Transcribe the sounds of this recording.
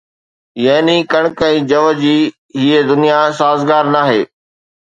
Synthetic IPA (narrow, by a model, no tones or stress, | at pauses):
jɐɦnĩkɐɽ̃kɛ̃ĩd͡ʑɐʋəd͡ʑiː | ɦiːed̪ʊnijasaːzɡaːɾnaːɦḛː